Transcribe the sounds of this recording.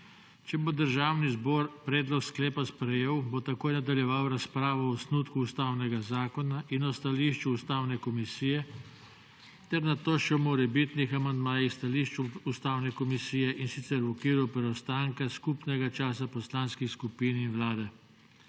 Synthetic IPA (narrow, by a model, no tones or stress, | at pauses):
t͡ʃɛbod̪əɾʒaːwnizbɔːɾpɾɛːd̪lɔksklɛːpaspɾɛjeːwbot̪akoːjnad̪aljɛʋawɾaspɾaːʋɔɔsnut̪kuːst̪awnɛɡazaːkɔnaʔinɔst̪aliʃt͡ʃuːst̪aːwnɛkɔmisiːjɛ | t̪ɛɾnat̪oːʃɛwmɔɾɛbit̪nixamand̪maːjixst̪aliʃt͡ʃuust̪aːwnɛkɔmisiːjɛʔinsit̪sɛɾɔkiːɾupɾɛɔst̪aːŋkaskupnɛɡat͡ʃaːs̬apɔslanskixskupiːninwlaːd̪ɛ